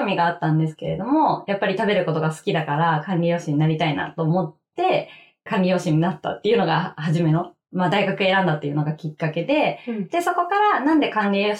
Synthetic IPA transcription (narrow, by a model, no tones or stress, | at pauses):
omʲiɡaːt̪ːãnd̪e̞sɨ̥ke̞ɾe̞d̪o̞mo̞japːaɾʲit̪abe̞ɾɯ̟ko̞t̪o̞ɡasɨ̥kʲid̪akaɾakãnɾʲijo̞ːɕiɲ̟inaɾʲit̪aina̰t̪o̞ːmo̞t̪ːe̞ | kãnɾʲijo̞ːɕiɲ̟inat̪ːa̰t̪ːe̞iɯ̟no̞ɡahaʑime̞no̞ | mad̪aiɡakɯ̟e̞ɾãnd̪at̪ːe̞iɯ̟no̞ɡakʲikːake̞d̪e̞d̪̥e̞so̞ko̞kaɾanãnd̪e̞kãŋɾʲioː